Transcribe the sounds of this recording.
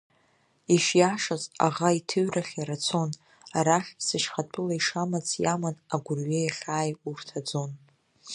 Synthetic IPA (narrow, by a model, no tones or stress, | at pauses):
iʃjaʂaza̰ʁaitʰɨɥraχʲaɾat͡sʰo̞n | aɾaχʲsɨʃχatʰʼɨlaiʂamat͡sʰjamanaɡʷʊrɥejaχʲaːjurtʰad͡zo̞n